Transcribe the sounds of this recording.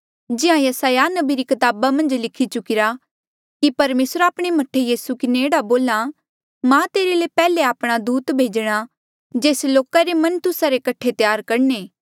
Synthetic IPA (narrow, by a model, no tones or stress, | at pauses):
d͡ʒɪãjɐsaːjanɐbiɾikɐt̪aːbamɐ̃nd͡ʒlɪkʰit͡ʃʊkɪɾa | kipɐɾmeːsɾaːpɽ̃emɐʈʰːejiːsukɪneeːɽaboːla | mãːt̪eːɾelepɛːleaːpɽ̃ad̪uːt̪bʱeːd͡ʒɽ̃a | d͡ʒeːsloːkaɾemɐnt̪ʊsaɾekɐʈʰet̪jaːɾkɐɽneː